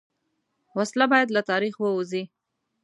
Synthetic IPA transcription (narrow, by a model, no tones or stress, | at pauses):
waslabɑjad̪lat̪ɑɾixwəuzi